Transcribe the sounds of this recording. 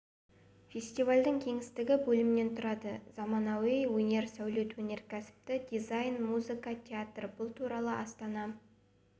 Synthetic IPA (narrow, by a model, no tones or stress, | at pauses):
fʲe̞sʲt̪ivalʲd̪əŋkʲʰe̞ŋɪst̪ɪɡʲɪbɵlɪmɪne̞nt̪ʰʊɾɑd̪əz̥ɑmɑnɑwejwɵne̞ɾsæwlit̪wɵne̞ɾkʲʰæsɪ̥p̚t̪ɪd̪ʲijzajnmuzɨkɑt̪ʲʰeat̪rbʊlˠt̪ʰuɾɑlˠəʔɑst̪ɑnɑ